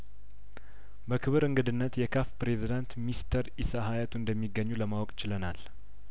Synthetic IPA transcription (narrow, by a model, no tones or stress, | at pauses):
bəkʰɨβɨɾɨŋɡɨd̪ɨnːət̪jɛkʰafpɾezid̪ant̪mist̪ʰəɾisaɦajat̪ʰund̪əmːiɡːəɲːuləmawɔkʼɪt͡ʃɪlənal